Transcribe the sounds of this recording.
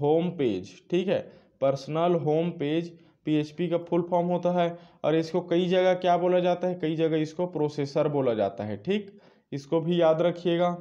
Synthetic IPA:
ɦoːmpeːd͡ʒʈʰiːkɦɛː | pəɾsnəlɦoːmpeːd͡ʒ | pieːt͡ʃpikapʰʊlpʰɔːɾmɦoːt̪aɦɛɔ̰ːɾɪskokɐid͡ʒɐɡəkjaboːlad͡ʒaːt̪aɦɛkɐid͡ʒɐɡɛɪskopɾoːseːsəɾboːlad͡ʒa̰ːt̪aɦɛ̰ʈʰiːk | ɪskobʱijaːd̪ɾɐkʰijeːɡaː

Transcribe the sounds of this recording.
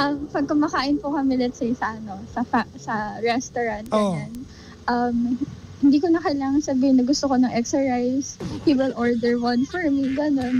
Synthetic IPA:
ʔɐmpɐɡ̚kɐmɐkaːʔɪnpʊkɐmɪlɛt̪sɛjsɐʔɐno̞sɐfasɐɹɛst̪oɹant̪̚ɡɐan | ʔɐmhɪnd̪iːkonɐkɐɪlaːŋɐŋsɐbiːhɪnːɐɡʊst̪okonɐŋʔɛksɛɹsajspiwɪlʔoɹd̪ɛɹwɐnfɔɹmiɡɐno̞n

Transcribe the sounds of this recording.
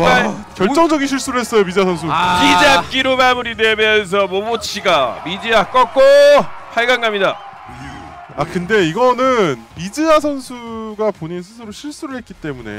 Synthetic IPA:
aa | kjʌɭt͡ɕ͈ʌŋd͡ʑʌɡinɕʰiɭs͈uɾɯɭɦe̞s͈ʌjomid͡ʑiasʰʌns̬ʰuid͡ʑak͈iɾomamuɾidwe̞mjʌns̬ʰʌmomot͡ɕʰiɡamid͡ʑiak͈ʌk͈opʰaɭɡaŋɡamɲida | akɯnde̞iɡʌnɯnmid͡ʑiasʰʌnsʰuɡapoɲins̬ʰɯsʰɯɾoɕʰiɭs͈uɾɯɭhe̞t̚k͈it͈e̞mune̞̰

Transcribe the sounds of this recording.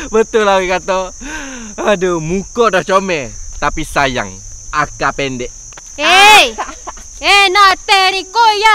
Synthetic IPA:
bət̪ʊlawikat̪o | adomukɔdɔht͡ʃomɛt̪apisaja̰ŋ | akapɛndɛʔ | e | enat̪eɾikoja

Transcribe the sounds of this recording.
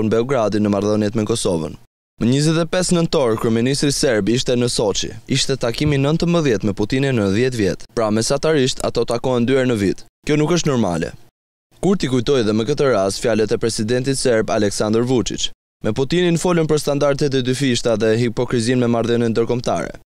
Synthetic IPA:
nbɛɔɡɾad̪inəmaɾðɔnjɛt̪mɛkɔsɔvə̰n | məɲizɛt̪ɛpɛsnənt̪ɔɾkuɛminist̪ɾisɛɾbiʃt̪ɛnəsɔt͡ʃḭiʃt̪ɛt̪akiminənt̪əmbəðjɛt̪mɛput̪ininːəðjɛt̪̬vjɛ̰t̪pɾamɛsat̪aɾiʃt̪ʰa̰t̪ɔt̪akɔɛnd̪yɛɾnəvit̪kjɔnukəʃt̪nɔɾma̰lɛ̰ | kuɾt̪ikujt̪ɔjðɛməkət̪əɾast̪fjalɛt̪ɛpɾɛsid̪ɛnt̪it̪sɛɾbalɛksand̪ɾvut͡ʃḭt͡ʃ | mɛput̪ininfɔlənpəɾst̪and̪aɾt̪ɛt̪̬ɛd̪yfiʃt̪aðɛɦipɔkɾizinmɛmaɾðɔnɛnd̪əɾkɔmt̪a̰ɾɛ̰

